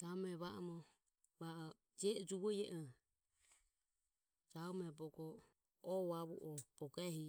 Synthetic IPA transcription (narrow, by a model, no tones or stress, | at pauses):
d͡ʒaɔmɛβaʔɔmɔ | βaʔ | d͡ʒɛd͡ʒuβɔjɛʔɔ | d͡ʒaɔmɛbɔkɔ | ɔβaβṵʔɔbɔkɛhi